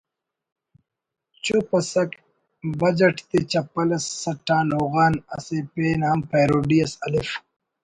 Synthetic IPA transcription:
t͡ɕupɐsɐk | bɐd͡ʑɐʈt̪et͡ɕɐpɐlɐsːɐʈːãːnoːɣaːnɐ̰sepeːnhɐmpejɾoːɖijɐsɐlif

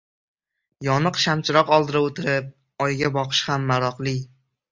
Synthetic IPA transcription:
jɒnɨqʃamt͡ʃʰɪɾɒqɒlˠd̪ɪɾaot̪ʰɪɾɪp̚ | ɒjɡʲabɒqʰɨ̥ʃhamːaɾɒqlˠɪ

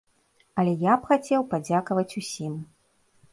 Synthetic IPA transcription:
ɐlʲɛjapxat͡sʲɛwpad͡zʲakɐvɐt͡sʲusʲim

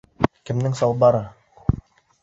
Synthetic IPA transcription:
kɘ̆mnɘŋsɑlˠbɑɾɤ

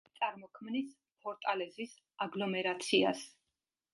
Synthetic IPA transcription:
t̪sʼaɾmɔkʰmnis | pʰɔɾt̪ʼalɛzis | aɡlɔmɛɾat̪sʰia̰s

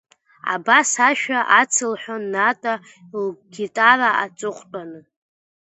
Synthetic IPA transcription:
a̰basaʃᶣaʔat͡sʰɨlħʷᶣonːatʼa | lɡʲitʼaraat͡sʼʊχʷtʼanɨ

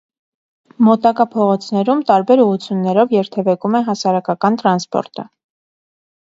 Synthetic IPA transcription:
mɔt̪ɑkɑpʰɔʁɔt͡sʰn̪ɛɾumt̪ɑɾbɛɾuʁut͡sʰjunːɛɾɔvjɛɾt̪ʰɛvɛkumɛɦɑsɑɾɑkɑkɑnt̪ɾɑnspɔ̰ɾt̪ə̰

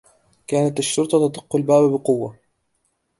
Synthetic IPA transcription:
kaːnat̪aʃːʊɾt̪ˤɑt̪ɑd̪ˤɨqːʊlbaːbbɪqʊwːa

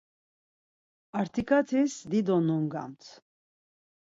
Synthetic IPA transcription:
aɾt̪ʰikʰat̪ʰɛsd̪id̪ɔnɔŋɡa̰mt̪ʰ

